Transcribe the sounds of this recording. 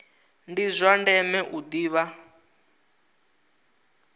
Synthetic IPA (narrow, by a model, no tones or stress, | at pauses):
ndizʷandɛmɛʔud̪iːβa